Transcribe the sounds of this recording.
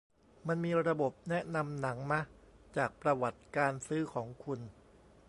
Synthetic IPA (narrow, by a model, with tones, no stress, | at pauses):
ma˧nmiː˧ɾa˧bo˨˩p̚nɛ˦˥ʔna˧mna˩˦ŋma˦˥ʔt͡ɕaː˨˩k̚pɾa˧wa˨˩t̪̚kaː˧nsɯː˦˥kʰɔː˩˦ŋkʰu˧n